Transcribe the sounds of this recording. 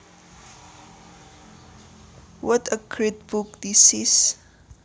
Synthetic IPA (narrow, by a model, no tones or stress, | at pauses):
wɔtəkʰɹit̚bukdisis